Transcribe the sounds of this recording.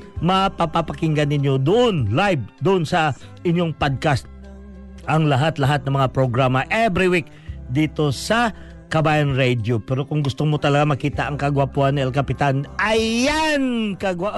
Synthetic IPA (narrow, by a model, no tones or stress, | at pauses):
mɐpɐpapɐkɪŋɡɐnɪnjo̞d̪ʊʔonlajb̚d̪ʊʔonsɐ | ɪnjo̞ŋpod̪̚kast̪̚ | ʔɐŋlɐɦat̪lɐɦat̪̚nɐŋmɐŋapɾoɡɾamɐʔɛbɾɪwik̚ | d̪iːt̪o̞sɐ | kɐbaːjɐnɹɛd̪jopɛɾo̞kʊŋɡʊst̪omot̪ɐlɐɡamɐkiːt̪ɐʔɐŋkɐɡwapʊhanɪʔɛlkɐpɪt̪anʔɐjankɐɡa